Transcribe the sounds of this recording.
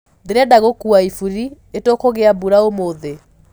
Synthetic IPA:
ðeɾadaɣokuaifuɾi | etokoɣeabuɾaomoðe

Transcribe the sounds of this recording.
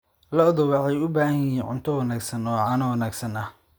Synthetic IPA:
lɔðɔwɑħɑjʊbaːhɐjiːnʕʊ̰nt̪ʰɔwɑnaːɡsɐnɔːʕɑːnɐwɐnaːɡsɐnɐh

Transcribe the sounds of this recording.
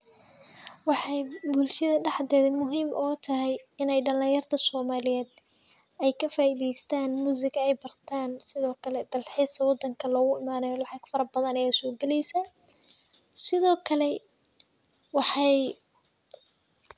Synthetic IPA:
wɑħɑjbʊlʃɐðɐɖɑħd̪ɛːðɛmʊɦiːmʔɔːt̪ʰɐɦɛjɪnɛjɖɐlĩːjɐrt̪ʰɐsɔːmaːlɪjɛːd̪ | ɛjkʰɐfaːʔiːðɛjst̪ʰaːnmuːsɪɡɐɛjbɐrt̪ʰaːnsɪðɔːkʰɐlɛd̪̥ɐlħiːsʰɐwɑd̪ːɐŋkʰɐlɔːɣʊɪmaːnɛjɔlɑħɑɡ̥fɐɾɐbɐðɐnɐjɛsɔːɡɛlɛjsɐ | sɪðɔːkʰɐlɛ | wɑħɑj

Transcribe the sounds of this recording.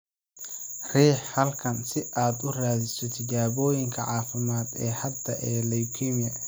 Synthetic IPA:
rɛːħhɐlkʰɐnsɪʔaːd̪ʊraːðɪsɔt̪ʰɪt͡ʃaːβɔːjɪŋkʰɐʕɑːfɪmaːd̪ɛːhɐd̪ɐʔɛːlɐjkʰinjɐ

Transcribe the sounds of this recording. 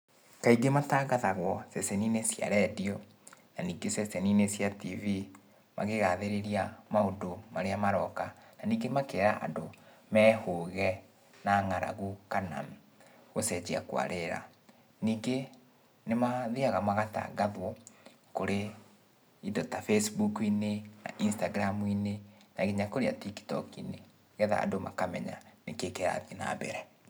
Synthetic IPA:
kaiɡemataːɣaðaɣwɔsɛsɛninesja̰ɾɛdiɔ | naniːɡesɛsɛninesjativi | ma̰ɣeɣaðeɾeɾiamaodomaɾeamaɾɔkananiːŋɡemakeɾaʔa̰ndo | mɛːhoɣɛ | naŋaɾa̰ɣukana̰m | ɣosɛd͡ʑia̰kwa̰ɾeɾa̰ | niːɡe | nemaðiaɣamaɣata̰ɡaðwo | koɾe | idɔtafɛsbukinena̰ʔinstaɡɾamwinenaɣiɲakoɾea̰tiki̥tɔ̰kḭne | ɣɛða̰ːndoma̰kamɛɲa̰nekekɛɾa̰ðina̰bɛ̰ɾɛ

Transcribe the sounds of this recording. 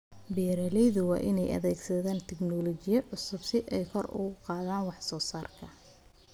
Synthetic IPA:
bijɾɐlɛjðʊwɑ̰ːʔɪnɛjʔɐ̰ðɛːɡsɐðaːnt̪ʰɛɡnɔːlɔt͡ʃɪjɐʕʊsʊbsɪʔɛjkʰɔrʊ̰ɣʊqɑːðaːnwɑħsɔːsaːrkʰɐ

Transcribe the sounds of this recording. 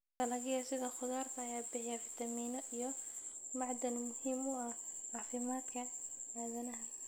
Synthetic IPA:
t̪ʰɐlɐɣɪjɐsɪðɐχʊðaːrt̪ʰɐːjaːbɪħɪjafɪt̪ʰɐmiːnɔʔijɔ | mɑʕd̪ɐnmʊhiːmʊɐhʕɑːfɪmaːd̪kʰɐaːðɐnɐɦɐ

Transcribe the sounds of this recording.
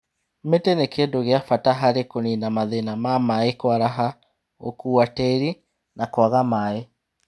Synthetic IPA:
metenekendoɣeafataɦaɾekoninamaðenamamaekwaɾaɦa | o̰kuːatɛɾi | nakwaɣamae

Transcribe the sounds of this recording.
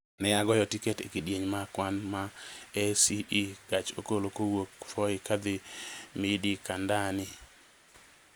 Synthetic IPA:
nɛaɡɔjɔtikɛtekidjeɲmakwanmaɛsiiɡ̥at͡ʃo̰kolokowokfɔɪkad̪ɪmidikandanɪ

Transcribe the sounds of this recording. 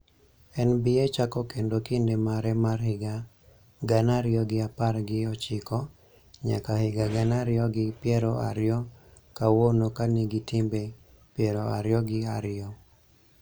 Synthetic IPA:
ɛnbɪet͡ʃakɔkendokɪndemaɾɛmarhɪɡa | ɡanaɾɪɔɡɪaparɡɪɔt͡ʃɪkɔ | ɲa̰kahɪɡaɡanaɾɪɔɡɪpjɛɾɔʔa̰ɾɪjɔ | kawonokaniɡɪtimbe | pjɛɾɔa̰ɾjɔɡɪaɾɪjɔ

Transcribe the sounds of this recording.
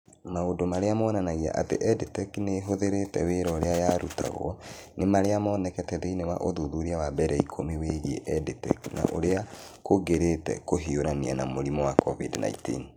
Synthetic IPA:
maodomaɾeamɔːnanaɣia̰ʔatḛʔɛdetɛkneːɦoðeɾetɛweɾɔɾeajaɾuta̰ɣo̰ɔnemaɾeamɔːnɛkɛtɛðeinewa̰ʔoðuðuɾiawabɛɾɛikʰomiweɣeʔɛditɛ̰kna̰ʔo̰ɾea | koɡeɾetɛ̰koɦioɾanianamoɾimɔwakɔvidna̰itḭn

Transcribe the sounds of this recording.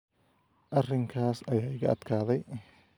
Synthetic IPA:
ʔɐrɪŋkʰaːsɐjaːɪɣɐɐd̪̥kʰaːðɛj

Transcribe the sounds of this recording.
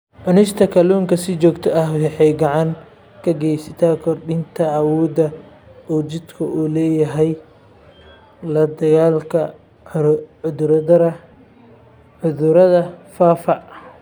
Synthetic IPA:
ʕʊnɪʃt̪ʰɐkʰɐluːŋkʰɐsɪt͡ʃɔːɡt̪ʰɔʔɐhɛħɛjɡɐʕɑŋ | kʰɐɡɛjsɪt̪ʰaːkʰɔrɖɪnt̪ʰɐʕɑwɔːd̪ɐ | ɔːt͡ʃɪd̪kʰʊʔuːlɛːjɐɦɛj | lɐd̪ɐɣaːlkʰɐ | ʊʊɾɐd̪ɐɾɐ | ʕʊðʊɾɐðɐfaːfɐ

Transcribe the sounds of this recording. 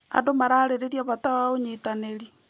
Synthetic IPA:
a̰ndomaɾaːɾeɾeɾjaβat̪aaoɲitaneɾi

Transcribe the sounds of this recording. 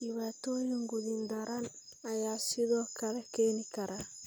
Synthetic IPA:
iwat̪ojoŋɡudindaɾan | ajaːsiðɔkaɾɛkenikaɾa

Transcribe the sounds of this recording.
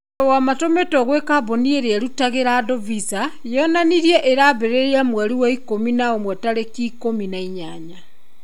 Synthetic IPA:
wamatometɔɣwekaβonieɾeaɾutaɣeɾadovisa | jɔnaniɾjeʔeɾaβeɾeɾiamwaɾiwaikominaomwɛtaɾekikominaiɲaɲa

